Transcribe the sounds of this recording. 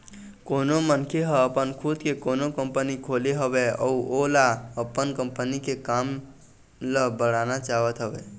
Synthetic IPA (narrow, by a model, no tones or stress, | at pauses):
konomənkʰeɦəəpənkʰud̪kekonokəmpənikʰoleɦəbeəuolaəpənkəmpənikekam | ləbəɽ̤anat͡ʃaɦʋət̪ɦəbe